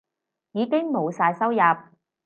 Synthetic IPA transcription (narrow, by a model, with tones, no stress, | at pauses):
jiː˨˧kɪ˥ŋmo˨˧wsaː˧jsɐ˥wjɐ˨p̚